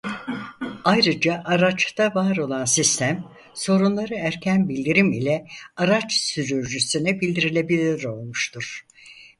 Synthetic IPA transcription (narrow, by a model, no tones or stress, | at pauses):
ajɾɯd͡ʒaʔaɾat͡ʃt̪avaːɾo̞lˠansist̪ʰæm | so̞ɾunlˠaɾɯæɾcʰænbilʲd̪iɾimilʲɛaɾat͡ʃsyɾyɾd͡ʒysynɛbilʲd̪iɾilʲe̞bilʲiɾo̞lˠmuʃt̪ʰuɾ̥